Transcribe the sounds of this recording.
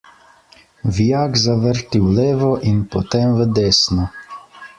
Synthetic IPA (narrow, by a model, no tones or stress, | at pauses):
ʋijaːkzaʋəɾt̪iwleːʋɔʔinpɔt̪emʋəd̪eːsnɔ